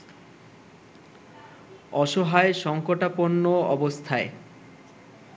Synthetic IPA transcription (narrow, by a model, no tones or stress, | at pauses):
ɔʃoɦaeʃɔŋkoʈaponːoɔbost̪ʰae